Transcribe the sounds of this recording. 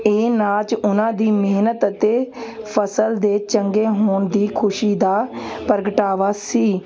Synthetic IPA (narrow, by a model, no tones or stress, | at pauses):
eːnaːt͡ʃʊnãːd̪iːmeːnət̪ət̪eː | pʰəsəld̪eːt͡ʃəŋɡeːɦoːɳd̪iːkʰʊʃiːd̪aːpəɾɡəʈaːʋaːsiː